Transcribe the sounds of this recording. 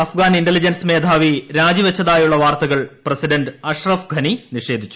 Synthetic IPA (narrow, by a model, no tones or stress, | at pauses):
ɐfɡaːniɳɖelid͡ʑɐnsme̞ːd̪ʱaːʋiɾaːd͡ʑiʋet͡ɕːɐðaːjuɭːɐʋaːrt̪ɐɣɐɭprɐsiɖɐnɖɨɐʂrɐfɡʱɐniniʂe̞ːd̪ʱit͡ɕːu̥